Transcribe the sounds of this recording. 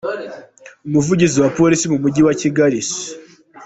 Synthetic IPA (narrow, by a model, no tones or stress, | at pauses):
umuvuɟiziwapo̞ɾisimumuɟiwaciɡaɾisi̥